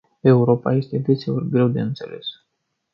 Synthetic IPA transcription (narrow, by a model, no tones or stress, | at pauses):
e̞uɾo̞pa̰je̞st̪e̞d̪e̞t̪seulɡɾe̞wd̪e̞ɨnt̪se̞̰le̞̰s